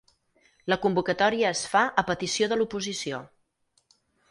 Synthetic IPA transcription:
ləkumbukət̪ɔɾiəːsfaʔəpət̪isjoðəlupuzisijo

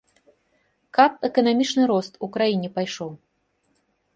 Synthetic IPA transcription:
kap̚ɛkɐnamʲit͡ʂnɨɾɔst̪ukɾajinʲɛpajʂɔw

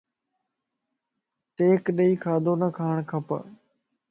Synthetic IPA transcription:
ʈeːkɗəiːkʰaːd̪ʱoːnəkʰaːɳkʰəpə̰

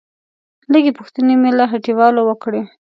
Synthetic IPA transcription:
ləɡepuxt̪ənemelaɦaʈiwɑlowəkɽe

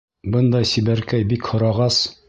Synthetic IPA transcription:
bɤnd̪ɑjsibæɾkæjbikhŏɾɑʁɑs

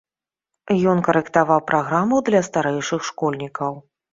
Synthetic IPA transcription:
jɔnkɐɾɛkt̪avawpɾʔaɣɾamud̪lʲɐst̪aɾɛjʂɨxʂkɔlʲnʲikɐw

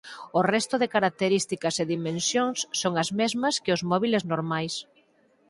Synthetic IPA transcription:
ʊrɛst̪ʊðɪkaɾak̚t̪eɾist̪ikɐseðimẽnsjoŋsːoŋɐzmezmɐskɪʊzmɔβileznoɾmajs

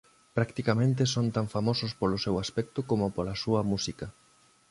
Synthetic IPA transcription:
pɾakt̪ikamẽnt̪̬esont̪aɱfamosʊspolosewaspɛk̚t̪okomʊpolasuɐmusikɐ

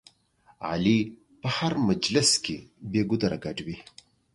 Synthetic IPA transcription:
a̰li | pəhaɾmad͡ʒlɪskebeɡʊd̪aɾaɡaɖwi

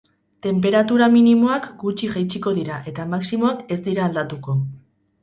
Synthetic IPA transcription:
t̪e̞mp̬e̞ɾat̪uɾaminimo̞akɡut͡ʃiʝajt͡ʃiko̞ðiɾaʔe̞t̪amaksimo̞ake̞zd̪iɾaːld̪at̪uko̞

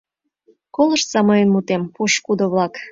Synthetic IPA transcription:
kolə̆ʃt̪sɑmojenmut̪empuʃkud̪oβlɑk

